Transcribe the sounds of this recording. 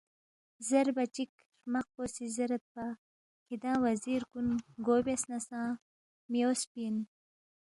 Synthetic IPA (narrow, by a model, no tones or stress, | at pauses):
zaɾbat͡ʃik | ɾmaq̚posizaɾat̪̚pa | kid̪ɑ̃ːwaziɾkunɡoːbasnasɑ̃ː | mijoːspin